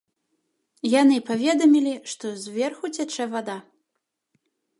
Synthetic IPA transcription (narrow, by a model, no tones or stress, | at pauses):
janɨpavʲɛd̪ɐmʲilʲiʂt̪ɔzʲvʲɛrxut͡sʲat͡ʂɛvad̪a